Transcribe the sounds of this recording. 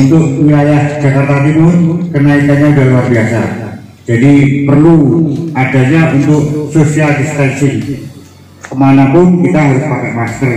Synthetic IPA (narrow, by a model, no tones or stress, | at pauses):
unt̪ʊk̚wilajahd͡ʒakart̪at̪imʊkənaikanɲadaluarbiasa | d͡ʒadipərluʔada̤ɲaʔunt̪ʊk̚sosialdist̪ɛnsɪŋ | kəmanapʊnkit̪aɦaɾʊspakɛʔmast̪ər